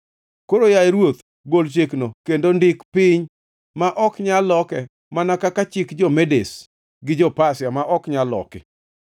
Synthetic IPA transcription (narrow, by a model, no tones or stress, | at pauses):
koɾojaeɾwot̪ | ɡolt͡ʃeknokendondɪkpɪɲ | maʔɔkɲalɔkɛ | manakakat͡ʃɪkd͡ʒɔmedes | ɡɪd͡ʒɔpasjamaʔɔkɲalɔ̰kɪ̰